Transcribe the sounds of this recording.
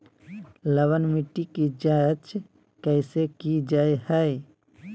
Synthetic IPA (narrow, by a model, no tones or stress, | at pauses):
ləwənmɪʈːikid͡ʒat͡ʃʰ | kɛɪsekid͡ʒaːehɛ